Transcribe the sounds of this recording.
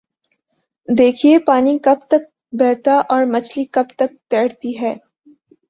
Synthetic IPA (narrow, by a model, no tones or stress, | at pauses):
d̪eːkʰiepaːnikɐb̚t̪ɐk̚ | bɛːt̪aʔɔːɾmɐt͡ʃlikɐbt̪ɐk̚t̪ɛːɽt̪iɦɛː